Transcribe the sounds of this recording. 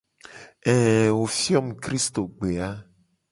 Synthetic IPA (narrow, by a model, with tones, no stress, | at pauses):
ɛ˨wo˨fi˦ɔ˦m˨kɾi˦st̪o˨ɡ͡be˨a˦